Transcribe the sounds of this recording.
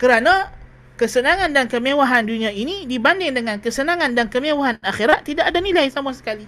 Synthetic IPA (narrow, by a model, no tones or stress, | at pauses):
kəɾanã | kəsənãŋãndankəmewaɦanduniãinidibandɪŋdəŋãnkəsənãŋandankəmewaɦanaxiɾat̪̚ːidaʔadanilajsamasə̥kali